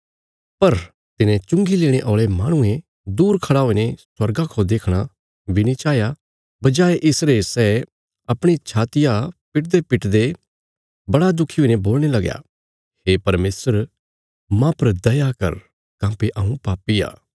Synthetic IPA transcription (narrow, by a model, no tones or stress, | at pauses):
pɐɾ | t̪ɪnẽt͡ʃʊ̃ŋɡileːɽ̃eʔoːɭemaːɽ̃ʊ̃ẽ | d̪uːɾkʰɐɽaoineswɐɾɡakʰod̪eːkʰɽ̃a | ʋɪnit͡ʃaːja | bɐd͡ʒaːeʔɪsɾesɛː | ɐpɽ̃it͡ʃʰaːt̪ɪjapɪʈ̚d̪epɪʈd̪e | bɐɽad̪ʊkʰːioinẽboːlñelɐɡja̰ː | heːpɐɾmeːsəɾ | mãpɐɾd̪ɐjakɐ̰ɾ | kãːpiʔaːũpaːpia̰ː